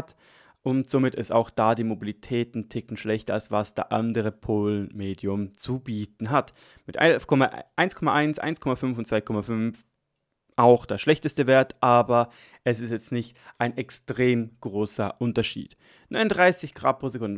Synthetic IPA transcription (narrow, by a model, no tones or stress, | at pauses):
t | ʊntz̥omɪtɪsta̰ʊxd̥aːdiːmobilitʰɛːtn̩tʰɪkn̩ʃlɛçtɐalsv̥asd̥ḛɐʔa̰ndəʁəpʰoːlənmeːdjʊmt͡subiːtn̩ɦat | mɪtʔa̰fkʰɔmaʔaɪnskʰɔmaʔaɪnsʔa̰ɪnskʰɔmafʏnfʊn̩tt͡sv̥aɪkʰɔmafʏnf | ʔaʊxd̥eːɐʃlɛçtəstəveːɐtʔaːbɐ | ɛsɪstjɛt͡stnɪçtʔaɪnɛkstʁ̥eːmɡ̥ʁoːsɐʔʊntɐʃḭːt | nɔɪnʊnd̥ʁaɪsɪçɡ̥ʁa̰ːt̚pʁ̥oːzekʊndn